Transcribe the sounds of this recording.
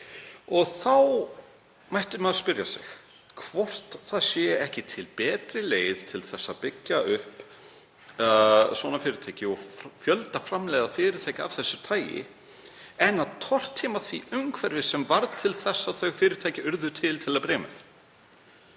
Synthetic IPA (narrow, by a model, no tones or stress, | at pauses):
ɔɣθaw | majht̪ʏɾmaðspʏɾjasɪ̰x | kʰvɔr̥t̪θaðsjɛːɛhcɪt̪ʰɪlpɛːt̪ɾɪleːjðt̪ʰɪlθɛsːapɪcːaʏhp | svɔːnafɪːɾɪɾt̪ʰaːjcɪɔɣfjœlt̪afɾamlɛːɣðafɪːɾɪt̪ʰaːjcav̥θɛsːʏɾ̥t̪ʰaːjɪ̰ | ɛnːaðt̪ʰɔr̥t̪ʰːiːmaθviʔʏmkʰvɛɾvɪsɛmvaɾðt̪ʰɪlθɛsːaθœɣfɪːɾɪɾt̪ʰajcɪʏɾðʏt̪ʰɪlt̪ʰɪlaðpɾɛːmɪ̰θ